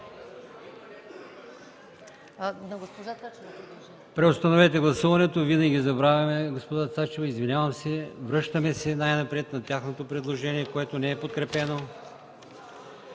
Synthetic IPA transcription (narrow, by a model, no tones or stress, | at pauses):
nɐɡospoʒaa | pɾɛost̪ɐnovɛt̪ɛɡlˠɐsuvɐnɛt̪ovinɐɡʲizɐbɾavʲɐmɛɡospod̪at̪sat͡ʃɛvɐizvinʲavɐmsɛvɾɤʃt̪ɐmɛsɛnajnɐpɾɛt̪nɐt̪ʲjaxnot̪opɾɛd̪lˠoʒɛniɛkoɛt̪onɛɛpot̪̚kɾɛpɛno